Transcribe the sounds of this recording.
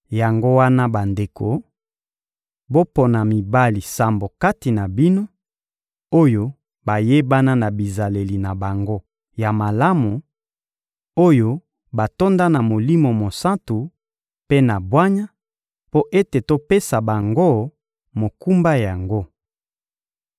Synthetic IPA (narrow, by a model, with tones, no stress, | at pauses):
ja˨ŋɡo˦wa˦na˦ba˨nde˨ko˨ | bo˦po˨na˨mi˨ba˦li˨sa˨mbo˨ka˦ti˨na˨bi˦no˦ | o˦jo˦ | ba˨je˦ba˦na˦na˨bi˨za˨le˨li˨na˨ba˨ŋɡo˦ | ja˨ma˨la˦mu˨ | o˦jo˦ | ba˨to˦nda˦na˨mo˨li˦mo˨mo˨sa˦ntu˨ | pe˦na˨bwa˦ɲa˦ | po˦ʔe˦te˨to˦pe˦sa˨ba˨ŋɡo˦˨ | mo˨ku˦mba˦ja˨ŋɡo˦